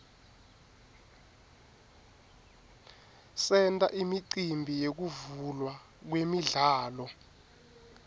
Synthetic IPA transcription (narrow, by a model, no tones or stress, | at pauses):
sɛntʼa̰ʔimiǀimbʱijek̬uvulwa | k̬wemiɮaːlɔ